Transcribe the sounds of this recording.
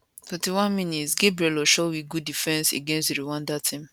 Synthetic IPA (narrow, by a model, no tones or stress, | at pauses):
fɛtiwãnmĩnitsɡebɹiɛlɔʃowiɡudifɛ̃nsḛɡɛ̃nsteɾiwãndatʰĩm